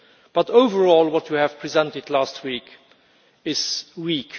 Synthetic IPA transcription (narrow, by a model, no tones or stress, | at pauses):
b̥ʌtoʊvə˞ɔlˠwʌt͡ʃjɨhɨv̥pʰɹ̥izɛ̃ntɨdlæst̚ʰwik | ɪz̥wik